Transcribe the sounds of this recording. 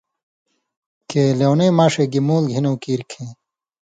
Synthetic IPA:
keːlewneːmaʂeɡimuːlɡʱinowkiːɾkʰẽː

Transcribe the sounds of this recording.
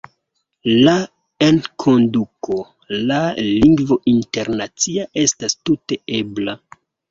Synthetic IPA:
la | enkʰo̞nduko | laliŋɡvo̞ʔinte̞ɾnat͡siaʔe̞stastute̞e̞bla

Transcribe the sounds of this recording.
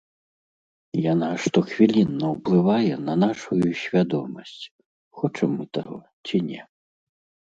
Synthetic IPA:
janaʂt̪ɔxvʲilʲinːɐwplˠɨvajɛnɐnaʂujusʲvʲad̪ɔmɐsʲt͡sʲ | xɔt͡ʂɛmːɨt̪aɣɔ̰ | t͡sʲinʲɛ

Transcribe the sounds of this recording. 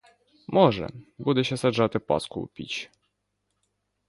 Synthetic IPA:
mɔʐɛ̰bud̪ɛɕɛsaʐat̪ɘpɔ̰skṵpʲḭt͡ɕ

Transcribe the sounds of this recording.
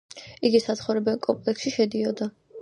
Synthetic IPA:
iɡisat̪sχɔvɾɛbɛlkʼɔmpʼlɛksʃiʃɛd̪iɔd̪a

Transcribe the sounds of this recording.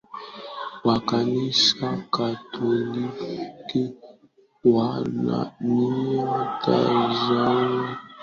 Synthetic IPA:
wakanisakatʰolike | wana̰niatʰa̰zana

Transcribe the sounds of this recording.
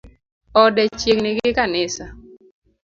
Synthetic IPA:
ɔdɛt͡ʃjeknɪɡɪkanɪsa

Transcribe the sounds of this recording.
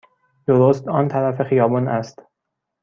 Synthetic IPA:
d̪̥oɾost̪ɒːnt̪ʰælæfe̞xijɒːbɒːnæst̪

